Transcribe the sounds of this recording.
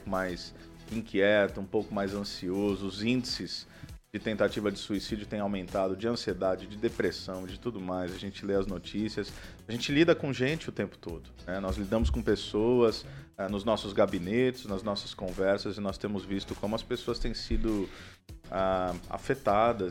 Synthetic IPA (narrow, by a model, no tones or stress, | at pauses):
kʊmajs | ĩkiɛt̪ʊũpowkʊmajzɐ̃siozʊːzĩnd͡ʒɪsɪz̥ | d͡ʒɪt̪ẽnt̪at͡ʃivɐd͡ʒɪsuisid͡ʒʊt̪ẽj̃awmẽnt̪ad̪ʊd͡ʒɪɐ̃sied̪ad͡ʒɪd͡ʒɪd̪epɾesɐ̃w̃ɪd͡ʒɪt̪ud̪ʊmajzɐʒẽnt͡ʃɪleɐznot͡ʃisiɐsaʒẽnt͡ʃɪlid̪ɐkõʒẽnt͡ʃɪʊt̪ẽmpʊ̥t̪o̰d̪ʊnɛnɔzlid̪ɐ̃mʊskõpesowɐsɛnʊznɔsʊzɡabinet͡ʃɪznɐznɔsɐ̥skõvɛɾsɐzɪnɔst̪ẽmʊzvist̪ʊkõmʊɐspesoɐst̪ẽj̃sid̪ʊ | aa̰fet̪ad̪ɐ